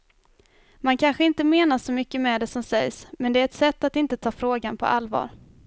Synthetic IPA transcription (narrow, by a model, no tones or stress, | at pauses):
mankʰanɧəɪnt̪əmeːnaʂɔmʏkːəmɛːd̪ɛsɔmsɛjsmɛnd̪ɛæɾɛt̪sɛt̪ːat̪ɪnt̪ət̪ʰɑːfɾoːɡanpʰɔ̰ʔalːvɑ̰ːɾ